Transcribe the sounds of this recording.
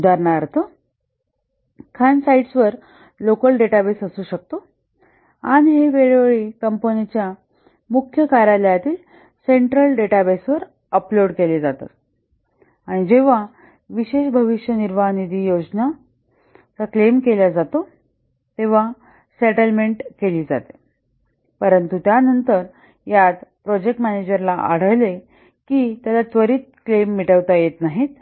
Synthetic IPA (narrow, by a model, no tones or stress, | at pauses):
ud̪aɾɳaɾt̪o | kʰansaiɖsʋəɾ | lokəlɖeʈabesəsuːɕək̚t̪o | añiɦeʋeɭʋeɭekəmpənit͡ɕja | mukʰjəkaɾjaljat̪iːl | seɳʈɾəlɖeʈabesʋəɾ | əploɽkeled͡zat̪a̰ | aɽ̃id͡ʑeʋ̤a | ʋiɕeɕbʱəʋiʂjəniɾʋanid̪ʱiːjod͡ʑna | t͡saklemkeljad͡zat̪o | t̪eʋ̤a | seʈəlmeɳʈkeliːd͡za̰t̪e̥ | pəɾənt̪ut̪janənt̪əɾ | jat̪pɾɔd͡ʑek̚ʈmæned͡ʑəɾlaʔa̰ɽ̤əʋle | kiːt̪jalat͡sʋəɾiːt̪̚klemːiʈəʋt̪ajet̪naɦit̪̚